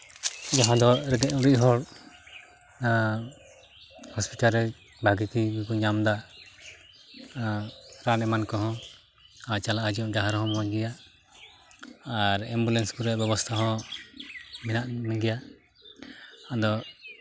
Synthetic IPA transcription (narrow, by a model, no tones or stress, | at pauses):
d͡ʒaɦãd̪ɔɾɛd̪ɛʔuɾiɦɔɽ | hɔspiʈalɾɛ | bʱaɡikibikuɲamd̪a | ɾanɛmankɔɦɔ̃ | at͡ʃalaad͡ʒiɔ̃ʔɡaɦaɾhɔ̃mɔd͡ʒɡɛja | aɾɛmbulɛnskuɾɛbɛbɔst̪ʰaɦɔ̃ | minaʔmiɡɛja | ad̪ɔ